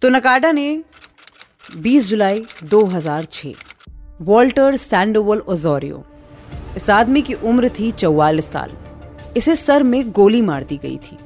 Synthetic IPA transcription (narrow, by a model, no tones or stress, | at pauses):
t̪onɐkaːɖane | biːsd͡ʒʊlaːid̪oːɦɐzaːɾt͡ʃʰḛːʋɔːlʈəɾsɛ̃ːɳɖoːʋəlɔːzɔːɾijo̰ː | ɪsaːd̪mikiʔʊmɾt̪ʰit͡ʃɐwːaːlɪsːa̰ːlɪsesɐɾmẽɡoːlimaːɾd̪iɡɐ̰ḭt̪ʰiː